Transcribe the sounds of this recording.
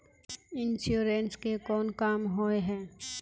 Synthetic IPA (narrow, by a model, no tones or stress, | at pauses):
ɪnʃuːɾenskekɔːnkaːmɦoeɦɛ̃ː